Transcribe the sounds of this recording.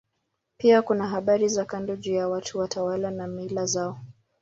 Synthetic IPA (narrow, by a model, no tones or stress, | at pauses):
piakunaɦaɓaɾizakandɔʄujawatʰuwatʰawalanamilazaɔ